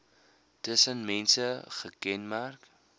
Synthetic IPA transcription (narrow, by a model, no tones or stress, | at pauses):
təsənmɛnsəχəkɛnmærk